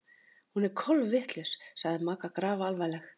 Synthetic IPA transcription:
hunɛɾkʰɔlvvɪht̪lʏssaɣðɪmaːkakɾaːvalvajlɛx

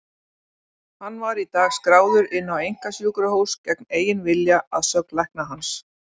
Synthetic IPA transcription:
hanːvaɾit̪aːɣskɾaːwðʏɾɪnːawejŋ̥kasjuːkɾahowscɛkneːjɪnvɪljaaðsœknlajhk̚naɦans

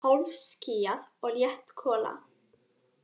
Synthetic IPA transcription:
hɔlvscijaðɔɣljɛht̪kʰɔːla̰

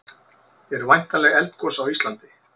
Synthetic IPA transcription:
jɛɾvajn̥t̪alɛːɣɛlt̪kʰɔsawist̪lant̪ɪ

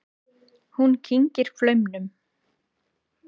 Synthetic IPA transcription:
huncʰiɲcɪɾ̥flœɥmnʏm

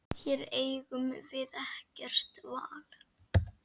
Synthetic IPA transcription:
çɛɾeːjɣʏmvɪðɛhcɛr̥t̪va̰ːl̥

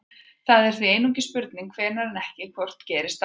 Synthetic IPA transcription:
θaðɛɾ̥θvieːjnuɲcɪspʏɾt̪niŋkʰvɛːɾnaɾanɛhcɪkʰvɔr̥t̪cɛːɾɪst̪

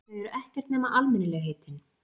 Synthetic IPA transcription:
ɛɛɾʏʔɛhcɛɾ̥t̪nɛːmaʔalmɛnːɪlɛːɣɦeːt̪ɪn

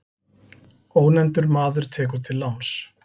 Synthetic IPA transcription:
oːwnɛnt̪ʏɾmaːðʏɾ̥t̪ʰɛːkʏɾ̥t̪ʰɪlːawns

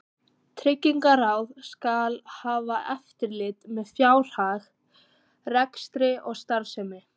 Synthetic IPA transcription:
t̪ʰɾɪcːiŋkaraːwðskalhaːvaʔɛft̪ɪɾlɪt̪mɛðfjaːwr̥haːð | rɛkst̪ɾɪʔɔɣst̪aɾsɛmɪ

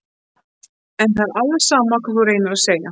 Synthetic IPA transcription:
ɛnθaɾalɛ̥saːmakʰvaθuɾejnʏɾaseːja

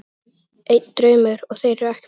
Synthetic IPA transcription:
ejt̪nd̪ɾœːɥmʏɾɔɣθejɾʏɛhc

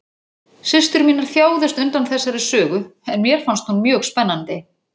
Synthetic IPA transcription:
sɪst̪ʏɾmiːnaɾ̥θjaːwðʏst̪ʏnt̪anθɛsːaɾɪsœːɣʏɛnmjɛɾ̥fanst̪hunmjœːɣspɛnːant̪ɪ

